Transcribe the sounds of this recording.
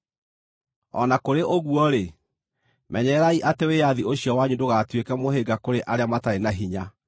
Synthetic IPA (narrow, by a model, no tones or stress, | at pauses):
ɔ̰nakoɾeʔoɣwɔɾe | mɛɲɛɾaiʔatewejaðioɕjɔwaɲudoɣatwekɛmoɦeɡakoɾeʔaɾeamataɾenaɦiɲa